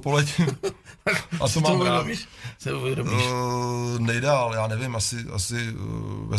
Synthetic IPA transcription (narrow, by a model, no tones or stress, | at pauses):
polɛc | ʔast̪omaːmɾaːbiʃsɛuvjɛɾobiʃ | nɛjdaːljaːnɛvɪmasɪa̰sɪvɛ̰